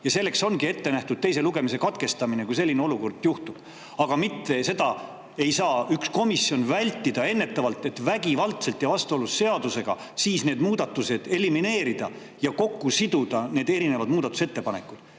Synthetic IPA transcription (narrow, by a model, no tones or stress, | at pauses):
jɑse̞lːe̞kso̞nɡie̞t̪ːe̞næht̪ud̪̥̚t̪e̞jse̞luɡe̞mise̞kɑt̪ke̞st̪ɑmine̞kujse̞lːineo̞luko̞rd̪̥juht̪ub̥ | ɑɡ̥ɑmit̪ːe̞se̞d̪ɑ | e̞jsɑːyksko̞misːjo̞nvælʲt̪ːid̪̥ɑe̞nːe̞t̪ːˑɑvɑlt̪ːˑe̞t̪væɡivɑlt̪se̞lt̪jɑvɑst̪uo̞lusːe̞ɑd̪use̞ɡ̥ɑ̰ | siːsne̞ːd̪muːd̪̥ɑt̪ːuse̞d̪̥e̞limine̞ːɾid̪̥ɑ | jɑko̞kːusid̪̥ud̪̥ɑne̞ːd̪̥e̞ɾine̞vɑd̪̥muːd̪ɑt̪ːu̥se̞t̪ːe̞pɑne̞̰kːˑud̪̥